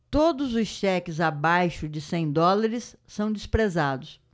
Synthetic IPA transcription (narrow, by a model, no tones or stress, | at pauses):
t̪od̪ʊzʊsʃɛkɪzabajʃʊd͡ʒɪsẽj̃d̪ɔlaɾɪsːɐ̃w̃d͡ʒɪspɾezad̪ʊs